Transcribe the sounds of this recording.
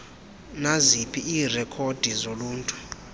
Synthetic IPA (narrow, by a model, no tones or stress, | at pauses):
nazipʰiiːrɛkʰod̥ʱizoluːntʼu̥